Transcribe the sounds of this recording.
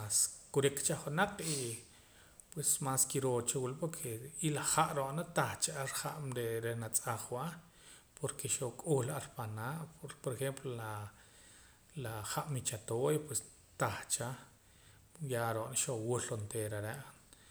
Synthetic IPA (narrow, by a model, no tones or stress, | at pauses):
askuɾikt͡ʃaχunaq͡χi | pwesmaːskiɾoːt͡ʃawulpoɾkʰeilaχaʔɾoʔnat̪aχt͡ʃaaɾχaʔmɾeɾenat͡sʼaχwa | pʰoɾkʰeʃokʼuːlaɾpanaːʔpoɾexemplola | laχaʔmit͡ʃat̪oːjpwes | t̪aχt͡ʃa | jaɾoʔnaʃowulɾont̪eːɾaɾeʔ